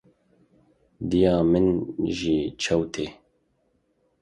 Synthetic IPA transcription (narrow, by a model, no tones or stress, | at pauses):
d̪ijɑːmɨnʒiːt͡ʃʰɐwt̪ʰeː